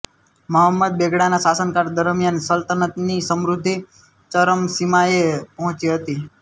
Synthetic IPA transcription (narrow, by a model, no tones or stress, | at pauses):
məɦəmːəd̪̚beɡɽanasasənkaɾd̪əɾmjansəlt̪ənət̪nisəmɾʊd̪ʱːi | t͡ʃəɾəmsimaepəɦɔ̃t͡ʃiɦət̪i